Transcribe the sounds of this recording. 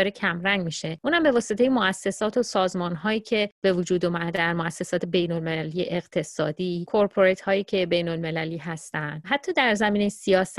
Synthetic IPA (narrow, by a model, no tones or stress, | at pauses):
ɒːɾecʰæmɾæŋɟmiʃeʔuːnhæmbe̞vɒːset̪ʰejemoʔæsːe̞sɒːt̪ʰosɒːzmɒːnɦɒːjiːcʰe̞b̥e̞vud͡ʒuːd̪umæd̪æɾmoæsːesɒːt̪ʰe̞be̞jnolmelæliːjeʔeɣ̥t̪ʰe̞sɒːd̪iːkʰoɾpʰoɾet̪hɒːjiːcʰe̞be̞jnolme̞læliːɦæst̪ænd̪ɦæt̪ʰːɒːd̪æɾzæmiːne̞jsiɒːs